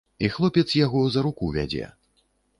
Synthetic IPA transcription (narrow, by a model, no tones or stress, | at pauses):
ixlˠɔpʲɛt̪sjaɣɔzɐɾukuvʲa̰d͡zʲɛ̰